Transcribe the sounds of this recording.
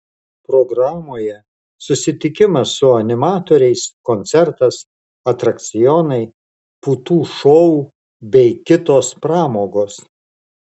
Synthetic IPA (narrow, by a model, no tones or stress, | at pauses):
pɾoɡɾɑːmoːjɛ | sʊsʲɪt̪ʲɪkʲɪmɐsːʊɐnʲɪmɑːt̪oːɾʲɛɪskɔnʲt̪sʲɛɾt̪ɐs | ɐt̪ɾɐkt̪sʲɪjɔnɐɪ | puːt̪uːʃɔ | bʲɛɪkʲɪt̪oːspɾɑːmoːɡoːs